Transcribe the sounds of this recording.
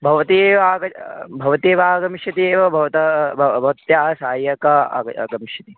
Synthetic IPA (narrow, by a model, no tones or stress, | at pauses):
bʱɐʋɐt̪ieːʋaːɡɐbʱɐʋɐt̪eːʋaːɡɐmiʃjɐt̪ieːʋɐbʱɐʋɐt̪ɐbɐt̪jaːɦɐsaːjɐkɐa̰ɡɐmiʃjɐt̪i